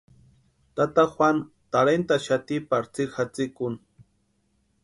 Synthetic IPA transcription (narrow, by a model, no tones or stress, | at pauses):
t̪at̪axwan | t̪aɾent̪aʃat̪ɪpaɾt͡sɪɾxat͡sɪkʊn